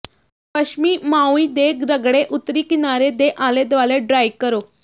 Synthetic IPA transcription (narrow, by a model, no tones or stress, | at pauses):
pəɕmiːmawiːd̪eɡɾəɡɽeʔut̪ɾiːkinaɾed̪eʔaled̪ʋaleɖɾajkəɾo